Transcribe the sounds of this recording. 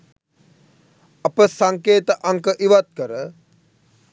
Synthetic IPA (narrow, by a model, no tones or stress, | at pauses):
apəsaŋkeːt̪əʔaŋkəʔiʋat̪̚kəɾə